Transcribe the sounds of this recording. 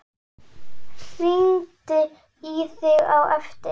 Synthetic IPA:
r̥iːnt̪ɪ | iθɪɣawɛft̪ɪ

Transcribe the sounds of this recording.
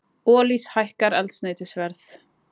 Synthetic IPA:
ɔːlishajhkaɾɛlt̪snajt̪ɪsvɛɾθ

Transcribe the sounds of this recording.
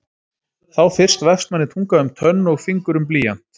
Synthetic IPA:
θawfɪr̥st̪vɛfst̪̚manːɪt̪ʰuŋkaʏmt̪ʰœnːɔɣfiŋkʏɾʏmpliːjan̥t̪

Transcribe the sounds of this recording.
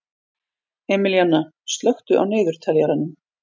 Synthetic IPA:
ɛːmɪljanːa | st̪lœxt̪ʏʔa̰wneːðʏɾ̥t̪ʰɛljaɾanːʏm

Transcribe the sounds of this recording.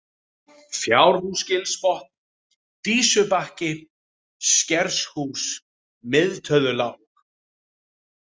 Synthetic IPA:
fjawɾhuscɪlspɔht̪n | t̪iːsʏpahcɪ | scɛɾshuːs | mɪðt̪ʰœðʏlawk̚

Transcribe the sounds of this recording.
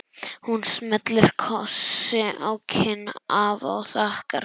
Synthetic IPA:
hunsmɛt̪lɪɾ̥kʰɔsɪʔawcʰɪnaːva̰wθahka̰ɾ

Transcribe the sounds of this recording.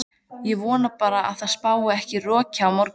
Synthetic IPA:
jɛɣvɔːnapaːɾaa̰ðθaðspaːwaɛhcɪrɔːcʰaːwmɔɾk

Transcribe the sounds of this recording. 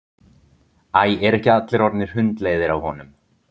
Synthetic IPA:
aːjɛɾɛhcɪat̪lɪɾɔɾt̪nɪɾ̥hʏnt̪leːjðɪɾawhɔnʏm

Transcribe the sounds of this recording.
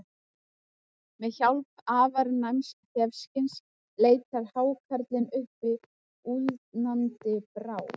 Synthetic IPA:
mɛðçawlpaːvaɾnajmscʰɛfscɪns | leːjt̪aɾ̥haːwkʰaɾt̪lɪnʏhpːɪ | uːðt̪nant̪ɪpɾaːw

